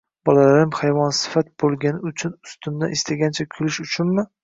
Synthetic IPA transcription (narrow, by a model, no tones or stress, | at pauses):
b̥ɒlalaɾɪmhajvɒnsɪ̥fat̪̚b̥olˠɡʲanɪʊt͡ʃʰʊnʊst̪ʰʊmd̪a̰ʔɪst̪ʰaɡʲant͡ʃʰakʲʰʊlɪʃʊt͡ʃʰʊnmɪ